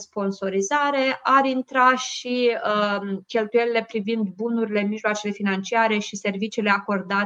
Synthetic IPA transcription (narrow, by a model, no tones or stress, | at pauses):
spo̞nso̞ɾizaɾe̞ʔaɾint̪ɾaʃi | kʲe̞lt̪uje̞lile̞pɾivind̪bunuɾile̞miʒloat͡ʃe̞le̞finant͡ʃiaɾe̞ʃise̞rvit͡ʃiːle̞ako̞rd̪a